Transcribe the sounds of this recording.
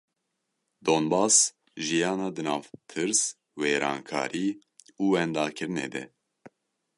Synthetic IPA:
d̪oːnbɑːs | ʒijɑːnɑːd̪ɨnɑːvt̪ʰɨɾs | weːɾɑ̰ːŋkʰɑ̰ːɾiː | uːwɛnd̪ɑːkʰɨɾɨnḛːd̪ɛ̰

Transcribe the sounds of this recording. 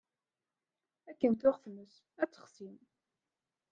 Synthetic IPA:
ækːənt̪ʊʁθməs | æt͡sːə̥χsim

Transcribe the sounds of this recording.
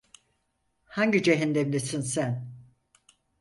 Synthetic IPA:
haɲɟid͡ʒeɦind̪ɛmlʲesinsæn

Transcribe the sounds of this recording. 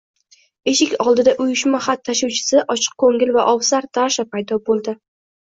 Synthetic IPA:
e̞ʃɪkʲɒlˠd̪ɪd̪aʔʊjʊʃmaχat̪ʰːaʃawt͡ʃʰɪ̥sɪʔɒt͡ʃʰɨ̥q̚kʰɵŋɪlvaʔɒwsaɾd̪ʰaʃapʰajd̪ɒbolˠd̪ɪ

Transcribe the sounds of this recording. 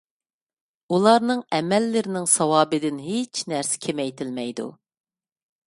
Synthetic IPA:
ulˠɑɾnɨŋɛmɛlːɪɾɪnɪŋsɑwɑːbɨd̪ɪnɦet͡ʃʰnæɾsɪ̥kʲʰemɛjt̪ʰɪlmɛjd̪ṵ

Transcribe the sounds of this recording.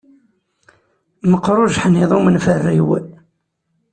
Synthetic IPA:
məqːɾˤʊʒħniðˤumənfərːḭw

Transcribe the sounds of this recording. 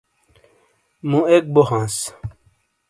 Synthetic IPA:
mũek̚bohãːs

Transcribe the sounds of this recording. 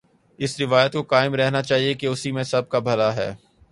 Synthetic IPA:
ɪsɾɪʋaːjət̪kokaːɪmɾɛɦnat͡ʃaːɦiekeʊsimẽsɐb̚kabʱɐlaɦɛ̰ː

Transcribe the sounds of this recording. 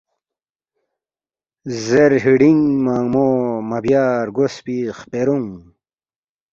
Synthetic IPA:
zeɾɦiɽiŋmaːŋmoːmabjaːɾɡospiχpeɾuŋ

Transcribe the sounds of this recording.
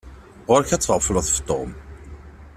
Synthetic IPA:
ʁʊɾçæt͡sːʁfələθə̥ft̪ˤːo̰m

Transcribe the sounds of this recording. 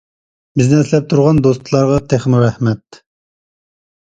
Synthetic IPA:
bɪznɛslɛp̚t̪ʰuɾʁɑnd̪ost̪lˠɑɾʁɑt̪ʰeχmɪɾɛhmɛt̪

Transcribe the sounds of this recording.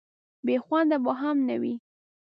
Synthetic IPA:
bexwand̪abɑɦamna̰wi

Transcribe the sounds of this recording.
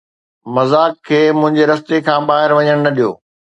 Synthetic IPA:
mɐzaːkʰːeːmʊ̃ɦɪ̃ɲd͡ʑeɾɐst̪ekʰãːɓaːɦɪɾʋɐɲəɽ̃nɐɗijo̰ː

